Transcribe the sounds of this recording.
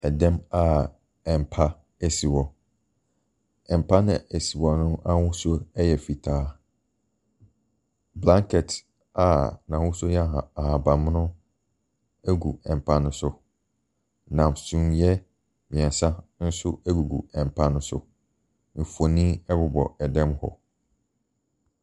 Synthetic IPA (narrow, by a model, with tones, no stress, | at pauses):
ɛ˨dɛ̃˦ma˦ | ɛ˨m˨pʰa˦ | ɛ˨si˨wɔ˨ | ɛ̃˨m̩˨pʰa˦nʊ̰̃˦æ˨si˨wɔ˨nʊ̃˦ã˦wʊ˦so˦ɛ˦jɛ˨fi˨tʰaː˦ | blã˦ŋkʰɛ˨t | a˨nã˨wʊ̃˦so˦jɛ˦˨a˨ha˨ba˨mʊ̃˦nʊ̃˦ | æ˦ɡu˨ɛ̃˨m˨pʰã˦nʊ̃˦sʊ˨ | nã˨msũ˦mjɛ˦ | mɪ̃˨ɛ˨sa˦n̩˦sʊ˦æ˦ɡu˨ɡṵ˨ɛ̃˨m˨pʰã˦nʊ̃˦sʊ̰˨ | n̩˨fo˨nĩ˦ɛ˦bʊ˦bɔ̰˨ɛ˨dɛ̃˦mhɔ̰˨